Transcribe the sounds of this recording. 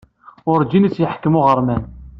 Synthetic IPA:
ʊɾd͡ʒinit͡sːjəħkːəmʊʁəɾˤmæn

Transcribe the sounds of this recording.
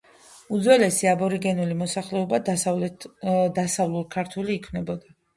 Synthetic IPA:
ud̪zwɛlɛsiabɔɾiɡɛnulimɔsaχlɛɔba | d̪asavlulˠkʰaɾt̪ʰuliːkʰvnɛbɔd̪a

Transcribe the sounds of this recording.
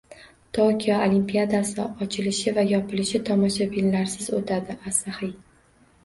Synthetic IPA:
t̪ʰokʲijɒolimpijad̪asɪɒt͡ʃʰɪlɪʃɪvajɒpʰɪlɪʃɪt̪ʰɒmɒʃabɪlːaɾsɪzot̪ʰad̪ɪʔasahɪj

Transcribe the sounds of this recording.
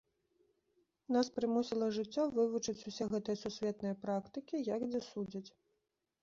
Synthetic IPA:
naspɾɨmusʲilˠɐʐɨt͡sʲːɔvɨvut͡ʂɨt͡sʲusʲɛɣɛt̪ɐjɐsusʲvʲɛt̪nɐjɐpɾakt̪ɨkʲijɐɡd͡zʲɛsud͡zʲɐt͡sʲ

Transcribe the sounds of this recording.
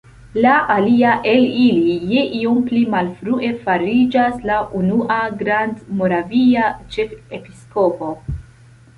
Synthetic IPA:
laʔaliaʔe̞lilijeʔiomplimalfɾuʔe̞faɾid͡ʒaslaʔunuʔaɡɾandmo̞ɾaviat͡ʃe̞fepisko̞po̞

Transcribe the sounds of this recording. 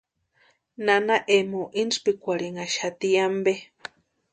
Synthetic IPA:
nanaʔemoʔinspikʷaɾiŋaʃat̪iambe

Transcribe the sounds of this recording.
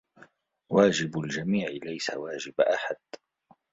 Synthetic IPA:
waːd͡ʒɪbʊld͡ʒamiːʕɪlajsa̰waːd͡ʒɪbʔaħad̪̥

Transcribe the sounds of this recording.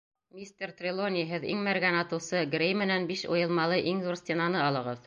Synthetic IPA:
mʲist̪ʲert̪rʲɪlˠonʲɪɦɘðḭŋmæɾɡænɑt̪ɤ̆wsɤɡɾʲejmɘ̆nænbiʃo̰jɤ̆lˠmɑlˠɤʔiŋðuɾsʲt̪ʲɪnɑnɤɑlˠɤ̆ʁɤð

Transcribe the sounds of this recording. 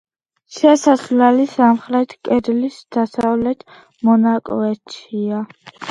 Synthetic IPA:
ʃɛsaslɛlisamχɾɛt̪ʰkʼɛd̪lisd̪̥asavlɛt̪ʰ | mɔnakʼɔɛt͡ʃʰia

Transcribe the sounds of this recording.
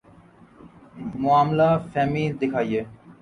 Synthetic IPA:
moamlafɛmid̪ekʰaje

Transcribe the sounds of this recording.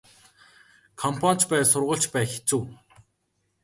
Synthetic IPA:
kʰɔmpʰan̥t͡ɕpæːsʊrʁə̆ɬt͡ɕpæːxet͡suː

